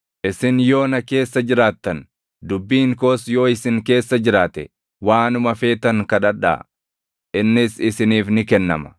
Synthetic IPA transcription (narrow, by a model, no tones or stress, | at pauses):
ʔɪsɪnjo̞ːnɐke̞ːsːɐd͡ʒɪɾaːt̪ːɐn | d̪ʊbːiːŋko̞ːsjo̞ːɪsɪŋke̞ːsːɐd͡ʒɪɾaːt̪ɛ | waːnʊmɐfe̞ːt̪ɐŋkɐᶑɐᶑa̰ː | ʔɪnːɪsɪsɪniːfnɪkɛnːɐ̰mɐ̥